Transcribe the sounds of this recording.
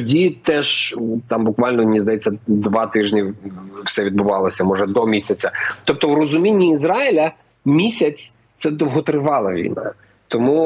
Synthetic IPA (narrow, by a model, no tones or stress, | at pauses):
dʲit̪ɛʒt̪ɑmbʊkʋɑlʲnɔnʲizd̪ɐjɛt͡sʲːɐd̪ʋɑt̪ɪʒnʲiwsɛʋʲid̪̚bʊʋɑlˠɔsʲɐmɔʒɛd̪ɔmʲisʲɐt͡sʲɐt̪ɔp̚t̪ɔwɾɔzʊmʲinʲːiːzɾɑɪlʲɐ | mʲisʲɐt͡sʲ | t̪sɛd̪ɔwɦɔt̪ɾɪʋɑlˠɐʋʲḭjnɑ̰ | t̪ɔmu